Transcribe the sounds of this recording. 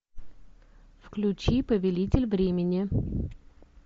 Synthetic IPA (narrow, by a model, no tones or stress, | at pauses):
fklʲʉt͡ɕipəvʲɪlʲitʲɪlʲvɾʲemʲɪnʲɪ